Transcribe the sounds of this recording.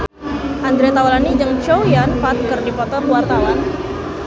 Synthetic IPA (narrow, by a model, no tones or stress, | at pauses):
ʔand̪ɾet̪awalanid͡ʒəŋt͡ʃowjanpat̪̚kɨrdipɔt̪ɔrwart̪awan